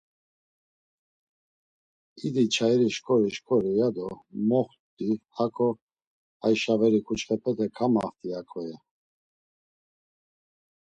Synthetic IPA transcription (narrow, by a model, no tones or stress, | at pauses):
id̪it͡ʃʰaɛɾiʃkʰʼɔɾiʃkʰʼɔɾijad̪ɔmɔχ | t̪ihakʰɔ | ajʃavɛɾikʰʼut͡ʃχɛpʰɛt̪ʰɛkʰama̰ft̪ʰʼiakʼʰɔjɛ